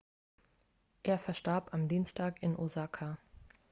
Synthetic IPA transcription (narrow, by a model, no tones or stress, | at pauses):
ʔeːɐfɛɐʃtaɐpamdiːnstʰaːkɪnʔozakʰa